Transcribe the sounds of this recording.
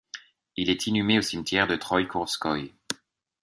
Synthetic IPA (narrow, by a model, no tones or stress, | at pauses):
ilɛt̪ʰinymeosimt̪ʰjɛʁd̪ət̪χɔjkʰuʁskɔj